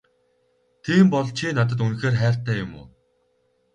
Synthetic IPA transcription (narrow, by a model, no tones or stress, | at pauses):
t̪ʰiːmpɔɮt͡ɕʰinat̪̬ə̆t̪̬unxeːrχæːr̥t̪æːjʊmʊ̰ː